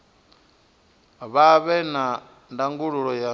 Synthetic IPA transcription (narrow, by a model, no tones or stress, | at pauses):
βaβɛna | ndaŋɡuɺuɺɔja